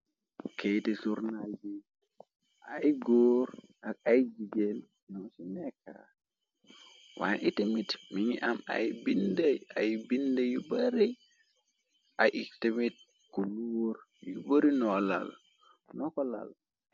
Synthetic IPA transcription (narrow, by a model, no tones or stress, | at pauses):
kejtisuɾnad͡ʒi | ʔajɡoːɾakajd͡ʒiɡel | nɔsineka̰ | wa̰ʔitimitmiŋiʔama̰jbindeajbindejubaɾi | ʔajʔitemit̚ | kuluwoɾ | jubaɾinɔla̰l | nɔkɔla̰l